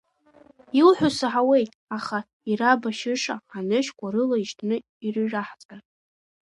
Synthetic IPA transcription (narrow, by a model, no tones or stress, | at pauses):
ilħʷᶣʊsɨħawe̞jtʼaχa | irabaʃɪʂaːnɨʃkʷʼaɾɨlaiʃtʰnɨ | irɨʒaħzʼa